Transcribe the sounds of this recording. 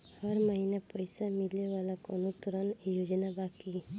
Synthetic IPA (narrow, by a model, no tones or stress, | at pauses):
həɾməɦinapəjsamɪleʋaːlakonut̪uɾənjoːd͡ʒnabaːki